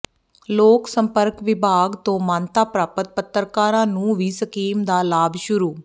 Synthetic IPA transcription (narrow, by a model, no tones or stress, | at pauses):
loːksəmpəɾkʋɪbʱaːɡt̪õːmãːnt̪aːpɾaːpət̪̚pət̪ːɾkaːɾãːnũːʋiːsəkiːmd̪aːlaːbʃʊɾuː